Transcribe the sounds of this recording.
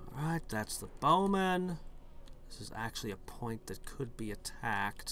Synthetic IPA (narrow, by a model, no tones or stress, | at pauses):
ɹaɪt̪̚ðætsðəb̥oʊmɨ̃n | ðɪsɨzæ̰k̚t͡ʃʉl̩ˠiɨpʰɔ̃ɪ̃nðɨt̚kʰɨd̚biɨtʰækt̚